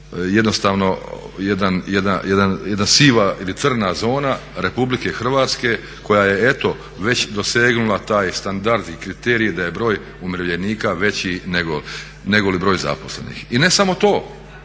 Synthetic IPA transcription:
jed̪nost̪aːʋno̞ | jed̪anjed̪ajed̪anjed̪nasiːʋailit̪sr̩nazo̞ːnaɾe̞publike̞xr̩ʋaːt̪ske̞ | ko̞jaje̞e̞t̪o̞ | ʋe̞t͡ɕd̪o̞se̞ːɡnulat̪aːjst̪and̪aɾd̪ikɾit̪eːɾijid̪aje̞bɾo̞ːj | umɾeʋʎeniːkaʋe̞t͡ɕineɡo | neɡolibɾo̞ːjza̰posle̞̰nḭxine̞samo̞t̪o̞ː

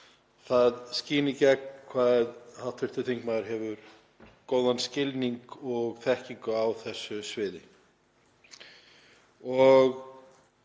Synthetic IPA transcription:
θaðsciːnɪcɛk̚nkʰvaðhaw̥t̪vɪɾ̥t̪ʏt̪ʰiŋkmaðʏɾ̥ɦɛvʏɾ̥ | koːwðanscɪlniŋkɔɣθɛhciŋkʏawθɛsːʏsvɪːðɪ̰ | ɔɣ

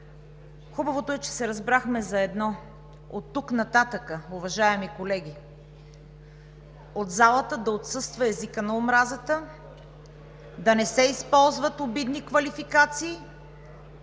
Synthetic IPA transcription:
xubɐvot̪oɛt͡ʃɛ̥sɛɾɐzbɾaxmɛzɐɛd̪nɔ | ot̪ːuknɐt̪at̪əkəʊvɐʒaɛmikolɛɡ̟i | od̪zalˠət̪əd̪ɐot̪sɤst̪vɐɛzikənɐomɾazət̪ə | d̪ɐnɛsɛispɔlˠzvət̪obid̪nikvɐlifikat̪siː

